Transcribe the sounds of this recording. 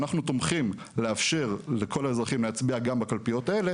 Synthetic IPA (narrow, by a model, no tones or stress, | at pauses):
naχnut̪omχim | leafʃe̞ʁlekʰo̞lae̞zʁaχimleat͡sbiaɡambakalpijo̞t̪ae̞le̞